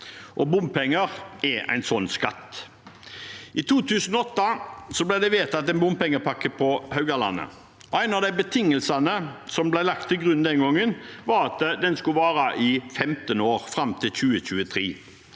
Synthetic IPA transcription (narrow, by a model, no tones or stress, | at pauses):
ʔɔbʊmpʰɛŋːəʁʔɛʔæ̰ɪnsɔnːskɑ̰t̪ː | ʔɪt̪ʰuːt̪ʰʉːsn̩ɔɔt̪ːɑsɔblæɪd̪ɛʋeːt̪ɑt̪ɛnbʊmpɛŋːəpʰɑkːəpʰɔhœʉɡɑlɑ̰nːə̰ | ɔæɪnɑʋd̪æɪbət̪ʰɪŋːəlsɑnəsɔmblæɪlɑk̚t̪ʰːɪlɡʁʉnd̪ɛnɡɔŋːənʋɑɾɑt̪d̪ɛnskʉʋɑːɾɑʔɪfɛmt̪ənoːʁfɾɑmt̪ʰɪlɕʉːəɕʉːət̪ʰɾiː